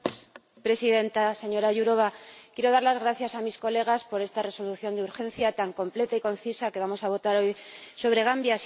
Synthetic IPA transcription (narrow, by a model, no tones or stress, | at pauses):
pɾe̞siðe̞nt̪ase̞ɲo̞ɾaʝuɾo̞βakjeɾo̞ðaɾlazɣɾaθjasamisko̞le̞ɣ̞aspo̞ɾe̞st̪are̞so̞luθjo̞nd̪euɾxẽ̞nθjat̪aŋko̞mple̞t̪aiko̞n̟θisake̞βamo̞saβ̞o̞t̪aɾo̞jso̞β̞ɾe̞ɣ̞ambjas